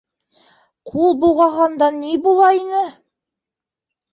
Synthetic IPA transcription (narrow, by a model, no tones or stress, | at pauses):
qʰulˠbulˠʁɑɦɑnd̪ɑnibulˠɑinɘ